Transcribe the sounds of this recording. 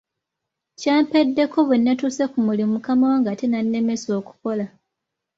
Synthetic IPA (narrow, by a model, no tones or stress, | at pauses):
caːmpedːe̞ko̞βenːatusekumulimukamawaŋɡatenanːe̞me̞so̞ːku̥ko̞la